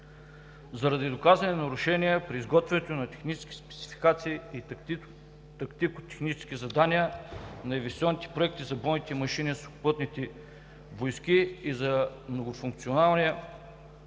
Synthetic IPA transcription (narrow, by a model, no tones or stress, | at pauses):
zɐɾɐd̪id̪okazvɐnɛnɐɾʊʃɛniɛpɾiːzɡɔt̪vɛnɛt̪onɐt̪ɛ̥xnit͡ʃɛ̥skʲi̥spɛ̥t̪si̥fi̥kat̪siii | t̪ɐkt̪ikot̪ɛ̥xnit͡ʃɛskʲizɐd̪aniənɐɛvisʲɔnit̪ɛ̥pɾoɛk̚t̪izɐbɔnit̪ɛmɐʃinisoxʊ̥pɤt̪nit̪ɛ | vojskiːzɐmnoɡofuŋk̚t̪sionalˠnʲiə